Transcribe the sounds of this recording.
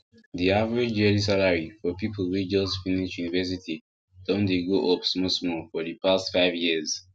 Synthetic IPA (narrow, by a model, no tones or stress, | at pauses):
ðiavəɹed͡ʒɛlis̬alaɹifɔpipʰəlˠwid͡ʒʌsfiniʃjunivɛs̬itʰi | d̥ɔ̃ndeɡoʔɔpsmɔsmɔfɔðɨpʰastfaɪvjiəz